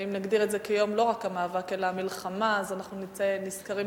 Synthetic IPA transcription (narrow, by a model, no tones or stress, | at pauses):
imnaɡd̪iʁetze̞kejo̞mlo̞ʁakamaːvake̞laːmilχamaːzanaχnunimt͡seniskaʁi